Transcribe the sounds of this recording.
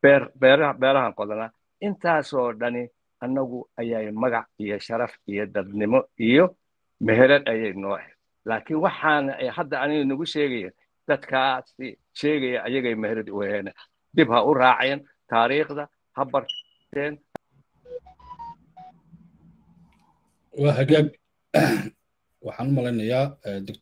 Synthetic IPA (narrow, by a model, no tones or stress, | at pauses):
b̥ɛːrbɛːɾɐbɛːɾɐɦɐŋqɔðɐna | ʔɪnt̪ʰaːsɔːɖɐnɪ | ʔɐnɐɣʊɐjajmɐɣɑʕijɔʃɐɾɐfijɔd̪ɐd̪nɪmɔʔijɔ | mɛɦɛɾɐd̪ɐjɛjnɔːʕɛn | laːkʰɪnwɑħɑːnɛjhɐd̪ɐɐnɪɣɛnʊɣʊʃɛːɣɛjɛ̰ːn | d̪̥ɐd̪kʰaːsɪ | ʃɛːɣɛjɐʔɐjɐɣɛjmɛhɾɐd̪ʊɛːnɛ | d̪ɪbhɐʊrɑːʕjɛn | t̪ʰaːɾiːχðɐ | hɐbɐrʰ | ɛːnh | wɑːɦɐɣaːɡ̚ | wɑħɑːnʊmɐlɛjnɐjaːd̪ɐ